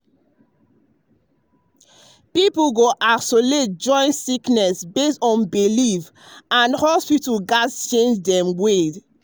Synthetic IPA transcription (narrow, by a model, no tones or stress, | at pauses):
piplɡoʔasolet̚d͡ʒɔ̃ɪ̃ntsiknɛsbestɔ̃nbilif | ãnhɔspitlɡadst͡ʃẽnd͡ʒdɛ̃mwed